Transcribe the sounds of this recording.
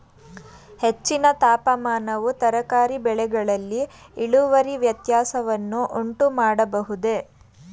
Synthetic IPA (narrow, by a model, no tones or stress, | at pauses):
he̞t͡ʃːinɐt̪aːpɐmaːnɐʋut̪ɐɾɐkaːɾibɛɭɛɡɐɭɐlːiː | ɭuʋɐɾiʋjɐt̪jaːsɐʋɐnːuʔoɳʈumaːɽɐbɐɦud̪e̞